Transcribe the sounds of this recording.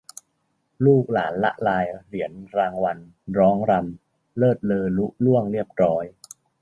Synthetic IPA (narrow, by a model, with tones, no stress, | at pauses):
luː˥˩k̚la̰ː˩˦nla˦˥ʔlaː˧jɾi˩˦ənɾaː˧ŋwa˧n | ɾɔː˦˥ŋɾa˧m | lɤː˥˩t̪̚lɤː˧lu˦˥ʔ̚lu˥˩əŋɾi˥˩əp̚ɾɔː˦˥j